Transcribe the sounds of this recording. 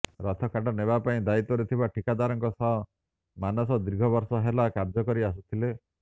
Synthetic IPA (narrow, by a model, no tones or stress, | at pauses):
ɾɔt̪ʰɔkʰaʈɔneβapaĩd̪ait̪ɔɾet̪ʰibaʈʰikad̪aɾɔŋkɔsɔɦɔ | manɔsɔd̪iɾɡʱɔbɔɾsɔɦelakaɾd͡ʒɔkɔɾias̬ut̪ʰile